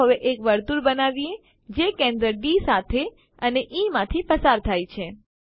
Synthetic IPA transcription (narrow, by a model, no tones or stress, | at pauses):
əʋeʔekʋəɾt̪uɾbənaʋie | d͡ʒekẽnd̪ɾəɖisat̪ʰe | əneʔimãt̪ʰifəsaɾt̪ʰajt͡ʃʰe